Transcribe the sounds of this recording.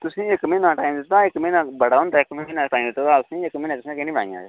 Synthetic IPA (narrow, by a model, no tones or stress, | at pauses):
t̪ʊsĩːekmeːnãːʈaːimd̪ɪt̪ːaːɪkmeːnãːbəɽaːɦʊ̃ːnd̪aːɪkmːnaːʈaːĩmd̪ɪt̪ːt̪aːʊsĩːekmẽːnãːt̪ʊsĩkenĩːbəɽa̰ːĩjã̰ː